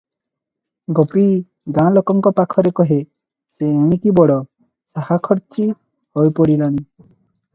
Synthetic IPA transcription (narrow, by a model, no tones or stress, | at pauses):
ɡɔpi | ɡãlɔkɔŋkɔpakʰɔɾekɔɦe | seãkibɔɽɔ | sahakʰɔɾt͡ʃi | hɔjpɔɽilɔɽ̃i